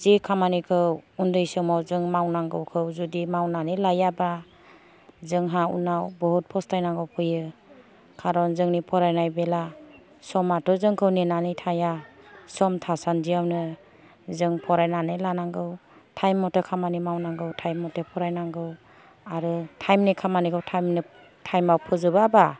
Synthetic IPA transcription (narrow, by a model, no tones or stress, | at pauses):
zikʰamanikʰɯwundɯjsɯmɔwzɯŋmawnaŋɡɯwkʰɯwzudimawnanelajaba | zɯŋɦaṵnawbɔɦut̚pʰɔstʰajnaŋɡɯwpʰɯjɯ | kʰaɾɔnzɯŋnipʰɔɾajnajbela | sɔmatʰɔzɯŋkʰɯwnenanijtʰajasɔmtʰasandijawnɯ | zɯŋpʰɔɾajnanɯlanaŋɡɯw | tʰajmːɔtekʰamanimawnaŋɡɯwtʰajmːɔtepʰɔɾajnaŋɡɯw | aɾɯtʰajmnikʰamanikʰɯwtʰajmni | tʰajmawpʰɯzɯbaba